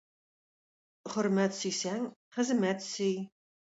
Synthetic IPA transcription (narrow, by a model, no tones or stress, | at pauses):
χʊrmæt̪sisæŋχəzmætsij